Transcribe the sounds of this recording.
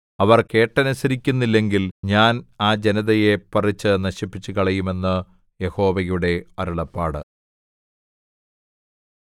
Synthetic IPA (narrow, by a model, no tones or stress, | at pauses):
ɐʋɐrke̞ːʈːɐnɐsɐɾikʲːunːilːe̞ŋɡilɲaːnaːd͡ʑe̞nɐðɐje̞pɐrit͡ɕːɨnɐɕipːit͡ɕːukɐɭɐjume̞nːɨ | je̞ho̞ːʋɐjuɽe̞ɐɾuɭɐpːaːɽɨ